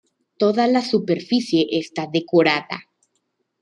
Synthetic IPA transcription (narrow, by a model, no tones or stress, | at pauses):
t̪o̞ðalasupeɾfisje̞ʔest̪aðe̞ko̞ɾaða̰